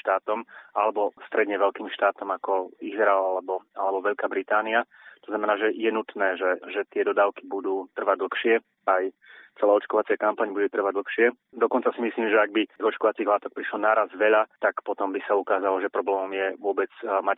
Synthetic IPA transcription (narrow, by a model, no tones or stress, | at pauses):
ʃt̪aːt̪ɔmalɛbɔst̪ɾɛd̪ɲɛʋɛʎkiːmʃt̪aːt̪ɔmakɔizɾaalɛbɔalɛbɔʋɛʎkaːbɾit̪aːnia | t̪ɔ̥znamɛnaːʒɛjɛnut̪nɛːʒɛʒɛt̪ɪɛd̪ɔd̪aːʊkibud̪uːt̪r̩ʋaɟd̪l̩xʃɪɛ | ajt͡sɛlaːɔt͡ʃkɔʋat͡sɪɛkampaɲbuɟɛt̪r̩ʋaɟ̚dl̩xʃɪɛ | d̪ɔkɔnt͡sasimisliːmʒɛaɡ̚bit̪iɣɔt͡ʃkɔʋat͡siːɦlaːt̪ɔk̚pɾiʃlɔnaɾazʋɛʎat̪akpɔt̪ɔmbisaukaːzalɔʒɛpɾɔblɛːmɔmjɛʋʊɔbɛd͡zmac